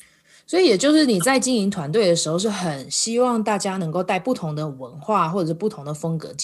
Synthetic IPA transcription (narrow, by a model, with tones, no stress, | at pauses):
swɔ˧˥i˨jɛ˨˩t͡ɕjo˥˧ʊʂɻ̩˥˩ni˨˩t͡sa˥˩ɪt͡ɕi˥ŋi˧ŋt̪ʰwa˧˥nt̪we˥˩ɪd̪ə˩ʂɻ̩˧˥xo˧ʊʂ̬ɻ̩˥˩xə˨˩nɕi˥wɑ˥˧ŋt̪a˥˩t͡ɕja˥nə˧ŋko˥˧ʊt̪a˥˩ɪpu˥˩t̪ʰʊ˧˦˥ŋd̪ə˨wə˧˦nxwa˥˩xwɔ˥˩ɤ˨˩ʂ̩˥pu˥˩t̪ʰʊ˧˥ŋd̪ə˨fə˥ŋkɤ̰˧˦t͡ɕ